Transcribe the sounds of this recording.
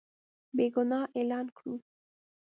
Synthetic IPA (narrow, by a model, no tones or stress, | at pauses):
beɡʊnɑʔelɑnkɽu